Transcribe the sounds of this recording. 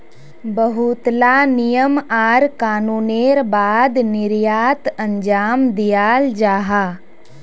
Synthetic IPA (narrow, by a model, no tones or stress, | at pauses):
bəɦut̪lanɪjəmaːɾkaːnuːneːɾbaːd̪nɪɾjaːt̪ə̃ɲd͡ʒaːmd̪ijaːld͡ʒaːɦaː